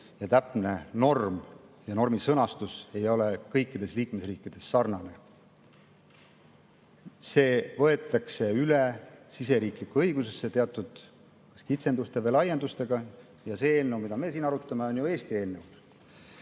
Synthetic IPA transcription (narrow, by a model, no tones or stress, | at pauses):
jɑt̪æpˑne̞no̞rmjɑno̞rmisɤnɑst̪use̞jo̞lekɤjkːid̪̥e̞sliːkme̞sriːkˑːid̪̥e̞sːɑrnɑne̞ | se̞ːvɤ̞e̞t̪ːˑɑkse̞ylesise̞ɾiːklikːuɤjɡuse̞sːe̞t̪e̞ɑt̪ːˑud̪̥ | kɑ̥skit̪se̞nd̪ust̪e̞velɑje̞nd̪ust̪e̞ɡ̥ɑ | jɑse̞elːewmid̪ɑme̞ːsiːnɑɾut̪ːˑɑmeo̞njue̞ːst̪ie̞lːew